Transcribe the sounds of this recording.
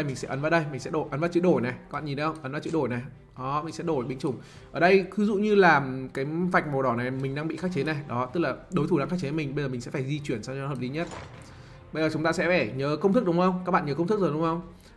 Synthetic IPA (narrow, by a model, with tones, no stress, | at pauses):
ə˧˩jmï˨˩ŋsɛ̰˧˥ʔə˨˦nvaː˨˦ɗə˧jmï˨˩ŋ̟sɛ̰˧˥ɗo˧˩jʔə˨˦nvaː˨˩t͡ɕɨ̰˧˥ɗo˧˩jnɛ˨˩aː˥ɓ̰a̰ː˧˨ɲi˨˩n˨˦hə˧wŋ͡mʔə˨˦nvaː˨˩t͡ɕɨ̰˧˥˦ɗo˧˩jnɛ˨˩ | ʔɔ˨˦mï˨˩ŋ̟sɛ̰˧˥ɗo˧˩jɓï˨˦ŋ̟t͡ɕʊ˨˩ŋ͡m | ʔəː˧˩ɗə˧jkɨ˨˦zṵ˧˨ɲɨ˧laː˨˩mkaː˨˦jva˨˩jk̚mo˨˩ɗɔ˧˩na˨˩jmï̟˨˩ɗaː˧ŋɓḭ˧˨xaː˦˥k̚t͡ɕe˨˦na˨˩jɗɔ˨˦t̪ɨ˦˥k̚laː˨˩ɗo˨˦jt̪ʰu˧˩naː˧ŋxa˦˥k̚t͡ɕe˨˩˨mï˨˩ŋɓə˧zə˨˩m˨˩ŋsɛ̰˧˥faː˧˩jzi˧t͡ɕwi˧˩ənsa˧wt͡ɕɔ˧˦həː˨˩p̚li˨˦ɲə˦˥t̚ | ɓə˧jzəː˨˩t͡ɕʊ˨˦ŋ͡mt̪aː˧sɛ̰˧˥faː˧˩ɲəː˨˦kə˧wŋ͡mt̪ɨ˦˥k̚ɗʊ˨˦ŋ͡mxə˧wŋ͡mkaː˦˥k̚ɓa̰ː˧˨ɲəː˨˦kə˧wt̪ɨ˦˥k̚zo˨˩ɗʊ˨˦ŋ͡mxə˧wŋ͡m